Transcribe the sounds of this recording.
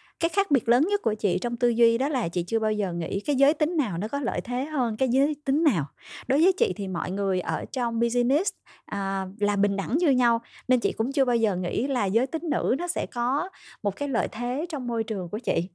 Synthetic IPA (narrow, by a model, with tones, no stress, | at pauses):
kaː˨˦jxaː˦˥k̚ɓi˨˩ət̚ləː˨˦nɲə˦˥t̚ku˧˩ət͡ɕḭ˧˨t͡ɕɔ˧wŋ͡mt̪ɨ˧zwi˧ɗɔ˨˦laː˨˩t͡ɕḭ˧˨t͡ɕɨ˧ɓaː˧wzəː˨˩ŋḭ˧˥kaː˨˦jzəː˨˦jt̪ï˨˦ŋ̟naː˨˩wnɔ˨˦kɔ˨˦lə̰ː˧˨jt̪ʰe˨˦ɦəː˧nkaː˨˦jzəː˨˦jt̪ï˨˦ŋ̟naː˨˩wɗo˨˦jvəː˨˦jt͡ɕḭ˧˨t̪ʰi˨˩mɔ̰˧˨jŋɨ˨˩əjʔəː˧˩t͡ɕɔ˧wŋ͡mɓi˧zi˧ni˦˥s | ʔaː˨˩laː˨˩ɓï˨˩ŋ̟ɗa˧˩ŋɲɨ˧ɲa˧wne˧nt͡ɕḭ˧˨kʊ̰˧˥ŋ͡mt͡ɕɨ˧ə˧ɓaː˧wzəː˨˩ŋḭ˧˥laː˨˩zəː˨˦jt̪ï˨˦ŋ̟nɨ̰˧˥nɔ˨˦sɛ̰˧˥kɔ˨˦mo˨˩t̚kaː˨˦jlə̰ː˧˨jt̪ʰe˨˦t͡ɕɔ˧wŋ͡mmo˧jt͡ɕɨ˨˩əŋku˧˩ət͡ɕḭ˧˨